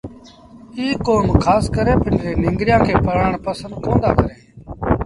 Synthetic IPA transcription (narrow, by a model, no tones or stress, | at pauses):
iːkoːmkʰaːskəɾẽːpɪneːnɪ̃ŋɡɾɪjãːkʰeːpəɾaːɳpəsə̃nd̪kõːnd̪a̰ːkəɾeː